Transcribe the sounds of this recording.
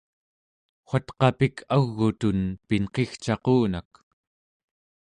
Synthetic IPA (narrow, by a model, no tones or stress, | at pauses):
χʷat̪qɑpikʰaɣːut̪unpinqe̞xt͡ʃɑquːnak